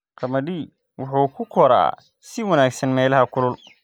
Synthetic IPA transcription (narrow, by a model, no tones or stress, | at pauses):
qɐmɐɖi | wʊħuːkʰʊkʰɔɾa̰ː | sɪwɐnaːɡsɐnmɛːlɐɦɐkʰʊlʊl